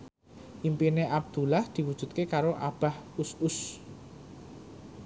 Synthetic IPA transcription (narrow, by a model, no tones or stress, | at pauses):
ʔimpineʔab̚d̪̥ṳlahd̪̥i̤wud̥ʒ̥ṳt̪̚kekaɾoʔab̥a̤hʊsʊs